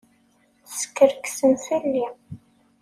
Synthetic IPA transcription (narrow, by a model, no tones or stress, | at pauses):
skːəɾksənθəlːi